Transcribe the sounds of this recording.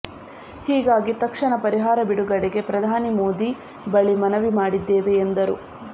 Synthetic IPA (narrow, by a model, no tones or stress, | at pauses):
hiːɡaːɡit̪ɐkʂɐɳɐpɐɾiɦaːɾɐbiɽuɡɐɽɛɡe̞pɾɐd̪ʱaːnimo̞ːd̪i | bɐɭimɐnɐʋimaːɽid̪ːeːʋe̞ːnd̪ɐɾṵ